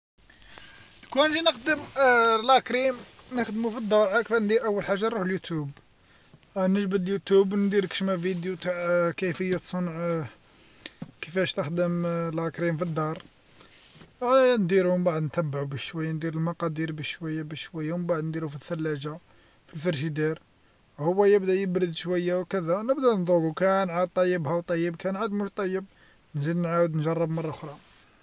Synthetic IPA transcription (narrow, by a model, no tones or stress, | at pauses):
kunʒinəxd̪əmlækɾim | nəxd̪mufid̪ːɑʕakfænd̪iɾʔəwːəlħaʒːanɾuħljut̪jub | nəʒbəd̪ljut̪ubnd̪iɾkʃmævid̪jut̪aʕkəjfəjːat̪sˤonʕ | kəfæʃt̪əxd̪əmlɑkɾimfid̪ːɑɾˤ | nd̪iɾumbaʕəd̪nt̪æbːʕubəʃʃwæjːand̪iɾəlmɑqɑd̪iɾbəʃːwæjːabəʃʃwæjːawmbaʕd̪nd̪iɾufiθːælːæd͡ʒa | filfɑɾʒid̪iɾ | hʊwːæjəbd̪æjəbɾəd̪ʃwæjːawkəd̪ænəbd̪ænd̪ˤuɡukænʕad̪̚t̪ˤːɑjːəbhæwt̪ˤɑjːəbkænʕad̪mʊʃt̪ˤɑjːəb̚ | nzid̪nʕawəd̪nʒɑrˤːɑbmɑrˤːɑʊxɾˤɑ